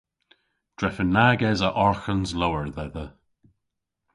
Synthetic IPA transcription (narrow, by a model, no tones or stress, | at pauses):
d̥ɹɛfənːaɡɛzəʔɔɹxənzlowəɹðəðə